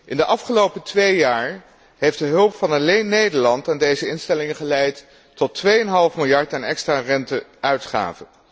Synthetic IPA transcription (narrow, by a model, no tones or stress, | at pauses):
ʔɪndəʔɑfχəlowpətʋejjaːɹ | ɦejfdəɦɵlˠpfɑnɑlejnːejdəɹlɑntaːndejzəɪnstɛlɪŋəχəlɛjtː | ɔtʋejənɦɑlˠfmɪlˠjɑɹtaːnɛkstrarɛntəʔœɥtχa̰ːvə